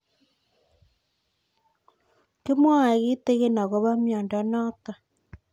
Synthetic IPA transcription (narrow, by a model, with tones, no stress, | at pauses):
ke˦mwa˦a˨ɣi˦te˦ɣe˦na˨ɣo˦βa˦mjɔː˨nda˨nɔ˦ta˨